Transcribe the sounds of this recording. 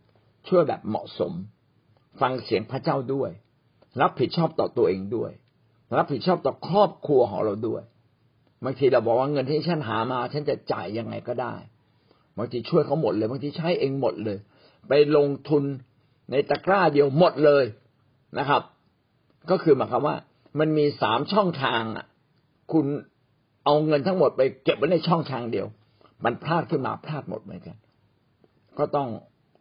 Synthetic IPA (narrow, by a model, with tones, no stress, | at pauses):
t͡ɕʰu˥˩əjbɛ̰ː˨˩p̚mɔ̰˨˩ʔso̰˩˦m | fa˧ŋsi˨˩˦əŋpʰɾa˦˥˩t͡ɕaː˥˩wdu˥˩əj | ɾa˦˥p̚ʰːi˨˩t̪̚t͡ɕʰɔː˥˩p̚t̪ɔː˨˩t̪u˧əʔeː˧ŋdu˥˩əj | ɾa˦˥p̚ʰːi˨˩t̪̚t͡ɕʰɔː˥˩p̚t̪ɔː˨˩kʰɾɔː˥˩p̚kʰu˧ɐkʰɔ̰˩˦ŋɾa˧wdu˥˩əj | baː˧ŋt̪ʰiː˧ɾa˧wbɔː˨˩k̚waː˥˩ŋɤ˧nt̪ʰiː˥˩t͡ɕ̪ʰa˥˩nɦaː˩˦maː˧t͡ɕʰa˦˥˩nt͡ɕa˨˩t͡ɕa̰ː˨˩jːa˧ŋːa̰˧jkɔː˥˩da̰ː˥˩j | baː˧ŋt̪ʰiː˧t͡ɕʰu˥˩əjkʰa˦˥wmo˨˩t̪̚lɤː˧jbaː˧ŋt̪ʰiː˧t͡ɕʰa˦˥jʔeː˧ŋmo˨˩t̪̚lɤː˧j | pa˧jlo˧ŋt̪ʰu˧nː | a˧jt̪a˧˩klaː˥˩di˧əwmo˨˩t̪̚lɤː˧j | nʔa˦˥kʰa˦˥p̚ | kɔː˥˩kʰɯː˧maː˨˩˦jkʰa˧˥mwaː˥˩ | ma˧nmiː˧saː˩˦mt͡ɕʰɔ˥˩ŋt̪ʰaː˧ŋʔa̰˨˩ʔ | kʰu˧n | ʔa˧wŋɤ˧nt̪ʰa˦˥ŋmo˨˩t̪̚pa˧jke˨˩p̚ma˦˥na˧jt͡ɕʰɔ˥˩ŋt̪ʰaː˧ŋdi˧əw | ma˧npʰɾaː˥˩t̪̚kʰɯː˥˩nma̰ː˧pʰɾaː˥˩t̪̚mo̰˨˩t̪̚mɯ̰˨˩˦nka˧n | kɔː˥˩t̪ɔ˥˩ŋ